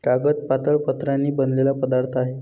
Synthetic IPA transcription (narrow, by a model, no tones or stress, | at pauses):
kaɡət̪̚pat̪əɭpət̪ɾãnːiːbənlelapəd̪aɾt̪ʰaɦe